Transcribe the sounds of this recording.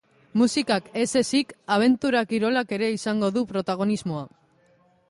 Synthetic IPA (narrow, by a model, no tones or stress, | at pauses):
musikake̞se̞sikaβ̞e̞nt̪uɾakiɾo̞lake̞ɾe̞isaŋɡo̞ðupɾo̞t̪aɣ̞o̞nizmo̞a